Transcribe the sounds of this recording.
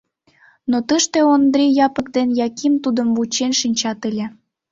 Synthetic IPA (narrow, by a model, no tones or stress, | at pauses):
not̪əʃt̪ĕond̪ɾʲejɑpə̆k̚d̪enjɑkimt̪ud̪əmvut͡ɕenʃinʲt͡ɕɑt̪elʲĕ